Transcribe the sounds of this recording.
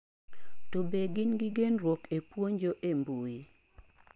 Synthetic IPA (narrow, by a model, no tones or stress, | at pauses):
tobeɡɪnɡɪɡenrwokepwoɲd͡ʒoʔembui